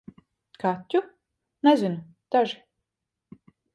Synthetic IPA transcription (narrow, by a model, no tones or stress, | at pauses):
kat̪ʲːu | nɛzin | d̪̥aʒi